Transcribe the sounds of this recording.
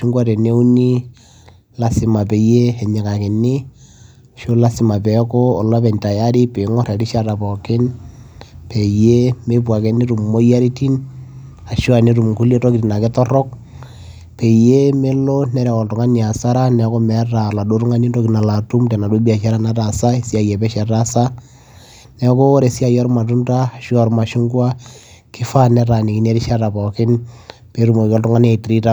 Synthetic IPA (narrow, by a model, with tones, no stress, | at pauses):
ʃi˦ŋɡwa˦tɛ˨ne˦u˦ni˦ | la˦sɪ˨ma˨pɛ˨je˦ɛ˨ɲɛ˨ka˨kɪ˨nɪ˦˨ | ʃo˦la˦sɪ˦ma˨pɛ˨kɔ˦ɔ˨lɔ˦p̬ɛ˨nta˨ja˦ɾɪ˦pe˨˦ŋɔ˦ɾɛ˨ɾɪ˦ʃa˦ɾa˨pɔ˨kɪ˦n | pɛ˨je˦me˦p̬wa˨kɛ˨˦ni˦ɾu˨mmo˦ja˦ɾi˦ti˦n | a˨ʃo˦a˨ne˦ɾu˨mku˦le˦tɔ˦ki˨tna˨kɪ˦tɔ˦rɔ˦k̚ | pe˨je˦me˦lo˦nɛ˦ɾɛ˨kɔ˨ltʊ˨ŋa˦ni˨a˨sa˦ɾa˦nɛ˨ko˦mɛ˨˦ta˨la˨do˦ɾu˦ŋa˦ni˦nto˦kina˨la˨tu˦mtɛ˨na˨du˦bi˦a˨ʃa˦ɾa˦na˦ta˨sa˦e˨si˦a˨jɛ˨pɛ˦ʃɛ˨ta˦sa˦ | nɛ˨ko˦ɾe˨si˦a˨jɔ˦ɾma˨tu˦nta˦a˨ʃu˦ɔ˨ɾma˨ʃʊ˦ŋɡwa˦ | kɪ˦fa˦nɛ˦ɾa˨ni˨kɪ˨ne˦ɾi˦ʃa˦ta˨pɔ˨kɪ˦n | pe˨˦ɾu˨mo˨kɔ˦ltʊ˦ŋa˦n˦a˨i˨tɾi˦ta˦